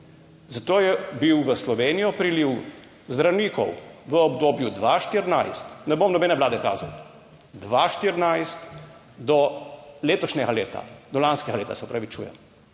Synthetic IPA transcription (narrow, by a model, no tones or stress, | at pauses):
zat̪oːjɛbiwʋəslɔʋeːnijɔpɾiliw | zd̪ɾawniːkɔ̰wʋəɔbd̪oːbjud̪ʋaːʃt̪iɾnajst̪nɛbomnɔbɛːnɛʋlaːd̪ɛka̰ːzaw | d̪ʋaʃt̪iɾnajst̪ | d̪ɔleːt̪ɔʃnɛɡaleːt̪a̰d̪ɔlanskɛɡaleːt̪asɛɔpɾaʋit͡ʃṵːjɛ̰m